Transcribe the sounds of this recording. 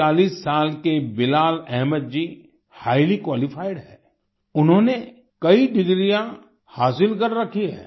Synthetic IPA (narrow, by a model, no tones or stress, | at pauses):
aːliːsːaːlkebɪlaːlɛɦməd̪̚d͡ʒi | haːɪlikwaːlɪfʰaːɪɖɦɛː | ʊnɦõːne | kɐiɖɪɡɾijã | haːsɪlkɐɾːɐkʰiɦɛ̰̃ː